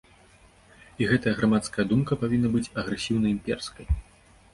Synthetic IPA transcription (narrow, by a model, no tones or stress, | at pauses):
iɣɛt̪ɐjɐɣɾamat̪skɐjɐd̪umkɐpavʲinːɐbɨt͡sʲɐɣɾɛsʲiwnɐimʲpʲɛrskɐj